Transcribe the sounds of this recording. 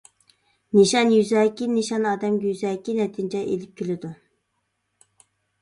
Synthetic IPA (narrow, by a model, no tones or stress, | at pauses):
niʃɑnjyzɛːkʲiniʃɑnɑːd̪ɛmɡʲɛjyzɛːkʲinɛt̪ʰɪnd͡ʒɛʔelɪp̚kʲʰilɪd̪u